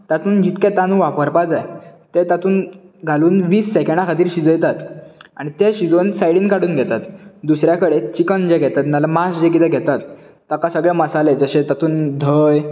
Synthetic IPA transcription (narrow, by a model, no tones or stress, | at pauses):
t̪at̪uːnd͡ʑit̪kɛt̪anuːʋapəɾpad͡zajt̪et̪at̪uːn | ɡʱaluːnʋiːsːɛkẽɳɖãkʰat̪iːɾɕid͡zəjt̪at̪aɽ̃it̪eɕid͡zonsajɽiːnkaɽuːnɡʱɛt̪at̪d̪usɾjakəɽet͡ɕikənd͡ʑeɡʱɛt̪at̪nalamasd͡ʑek̬it̪ʰɛɡʱɛt̪at̪ː | akasəɡɭɛməsaled͡zəɕet̪at̪uːnd̪ʱəj